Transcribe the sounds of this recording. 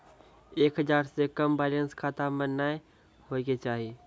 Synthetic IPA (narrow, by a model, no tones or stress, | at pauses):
eːkɦəd͡ʒaːɾsekəmbaːlənskʰaːt̪amənːaːe | ɦoiɡet͡ʃaːɦi